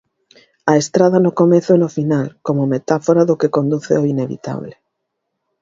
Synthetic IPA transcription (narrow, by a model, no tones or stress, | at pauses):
ɐest̪ɾaðɐnʊkomeθʊɛnofinalkomʊmet̪afoɾaðʊkekond̪uθḛoineβḭt̪a̰βlɪ